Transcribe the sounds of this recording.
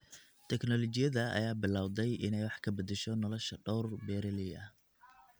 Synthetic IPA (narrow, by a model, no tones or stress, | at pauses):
t̪ʰɛknɔlɔt͡ʃɪjɐðɐɐ̰jaːbɪlaːwd̪ɛjʔɪnɛjwɑħkʰɐbɐd̪ɛʃɔnɔlɔʃɐɖɔwrbɛːɾɛlɪɐ